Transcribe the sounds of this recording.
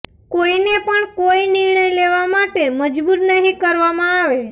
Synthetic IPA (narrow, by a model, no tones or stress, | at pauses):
koinepəɳkoinɪɾɳəjleʋamaʈeməd͡ʒbuɾnəɦĩkəɾʋamãaʋe